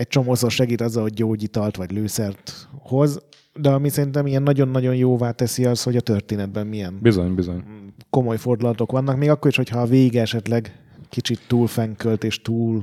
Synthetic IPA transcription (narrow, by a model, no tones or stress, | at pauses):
ɛc̚t͡ʃo̞moːsoʃɛɡiːt̪ɒzɒɦo̞ɟɟoːɟiːt̪ɒlt̪ʋɒɟløːsɛrt̪ho̞z | d̪ɛɒmisɛɾint̪ɛmijɛnːɒɟo̞nːɒɟo̞njoːvaːt̪ɛsiɒsho̞ɟɒt̪ørt̪eːnɛd̪̚bɛmːijɛnbizoɲbizoɲko̞mo̞jfo̞rd̪ulɒt̪o̞kʋɒnːɒkmeːɡɒkːo̞ɾiʃho̞chɒːveːɡiɡɛʃɛt̪lɛɡ | kit͡ʃit̪ːuːlfɛŋkølt̪eːʃt̪uːl